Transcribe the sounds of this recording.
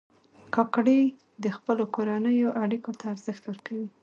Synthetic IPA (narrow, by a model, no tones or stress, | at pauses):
kɑkɽi | d̪əxpəlokoɾanəjoʔaɽikot̪aːɾzəxt̪wəɾkawi